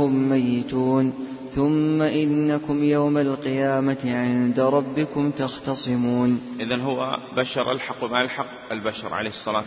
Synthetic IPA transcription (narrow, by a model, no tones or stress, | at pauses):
ʊmːajːɪt̪uːn | θʊmːaʔɪnːakʊmjawmalqɪjaːmaʕɪnd̪aɾˤɑbːɪkʊmt̪axt̪ɑsˤɨmuːnʔɪðanɦʊwːa̰baʃɑɾˤʔa̰lħɑqwmalħɑq | albaʃɑ̰ɾˤʕa̰leːhɨsˤːɑlaː